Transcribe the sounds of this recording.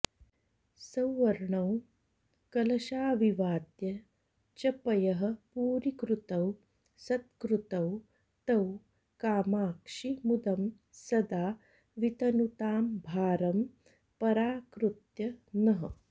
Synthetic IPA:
sɐwːɐɾɳɐw | kɐlɐʃaːʋiʋaːt̪jɐ | t͡ʃɐpɐjɐɦɐ̆puːɾikɾut̪ɐw | sɐt̪kɾut̪ɐw | t̪ɐw | kaːmaːkʂimud̪ɐm | sɐd̪aː | ʋit̪ɐnut̪aːmbʱaːɾɐm | pɐɾaːkɾut̪jɐnɐɦɐ̰

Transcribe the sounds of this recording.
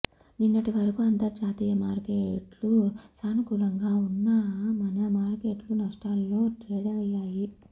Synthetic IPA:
ninːɐʈiʋɐɾɐkuɐnt̪ɐɾd͡ʒaːt̪iːjɐmaːɾkeʈlusaːnukuːlɐŋɡaːunːɐmɐnɐmaːɾkeːʈlunɐʂʈaːlːo̞ːʈɾeːɽɐjːaːji

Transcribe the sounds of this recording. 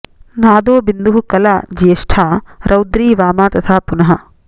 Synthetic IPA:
naːd̪oːbind̪uɦukɐlaːd͡ʒiɐʃʈʰaːɾʔɐwd̪ɾiːʋaːmaːt̪ɐt̪ʰaːpunɐɦɐ

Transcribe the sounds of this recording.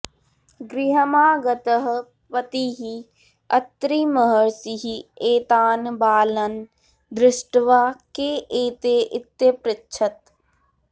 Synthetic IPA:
ɡɾɪɦəmaːɡɐt̪əɦ | pɐt̪iɦi | ɐt̪ɾiːməɦəɾsiɦieːt̪aːnbaːlɐn | d̪ɾɪsʈʋaːkeːʔeːt̪eːʔɪt̪ːepɾɪtːʃʰət̪

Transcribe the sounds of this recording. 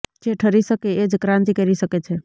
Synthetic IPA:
d͡ʒeʈʰəɾisəkeed͡ʒkɾãnt̪ikəɾiʃəket͡ʃʰe

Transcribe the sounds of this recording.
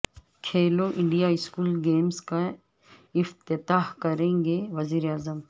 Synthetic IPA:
kʰeːloʔɪ̃ɳɖijaɪskuːlɡeːmska | ɪft̪ɪt̪aːɦkɐɾẽːŋɡeʋɐziːɾeaːzəm

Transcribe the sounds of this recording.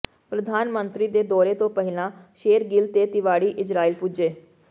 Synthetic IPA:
pɾəd̪ʱaːnmənt̪ɾiːd̪eːd̪ɔːɾeːt̪õːpəɦɪlãːʃeːɾɡɪlt̪eːt̪ɪʋaːɽiːʔɪd͡ʒɾaːiːlpud͡ʒeː

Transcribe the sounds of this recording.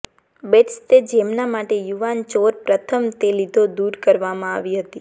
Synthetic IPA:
beʈst̪ed͡ʒemnamaʈejuʋant͡ʃoɾpɾət̪ʰəmt̪elid̪ʱod̪uɾkəɾʋamãa̰ʋiɦət̪i

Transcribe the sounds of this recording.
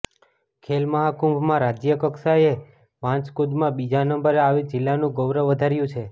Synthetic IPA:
kʰelməɦakũmbʱmãɾad͡ʒjəkəksae | ʋãt͡ʃkod̪mãbid͡ʒanəmbəɾeaʋid͡ʒɪlːanũɡəwɾəʋːəd̪ʱaɾjũt͡ʃʰe

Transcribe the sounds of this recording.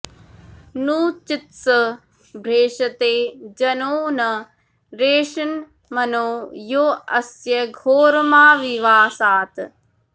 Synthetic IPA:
nuːt͡ʃit̪sɐ | bʱɾeːʂɐt̪eːd͡ʒɐnoːnɐ | ɾeːʃɐn | mɐnoːjoːɐsjɐɡʱoːɾɐmaːʋiʋaːsaːt̪

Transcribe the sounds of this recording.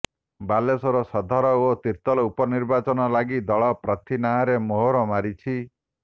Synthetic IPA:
balesɔɾɔsɔd̪ʱɔɾɔot̪iɾt̪ɔlɔupɔniɾbat͡ʃɔnɔlaɡid̪ɔɭɔpɾɔt̪ʰinaaɾemoɦoɾɔmaɾit͡ʃʰi

